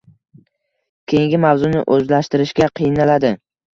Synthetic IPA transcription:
kʲʰejɪŋɡʲɪmavzʊnɪ̰ʔɵzlaʃt̪ɪɾɪʃɡʲaqʰɨjnalad̪ɪ

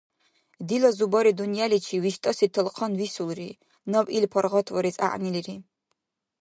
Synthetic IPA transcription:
d̪ilɔzubɔɾid̪unjalit͡ʃʰiviʃt̪ʼɔsit̪ʰəlqʰɔnvisulɾi | nɔbilpʰɔɾʁɔt̪ʰvɔɾisʼa̰ʔʼniliɾi

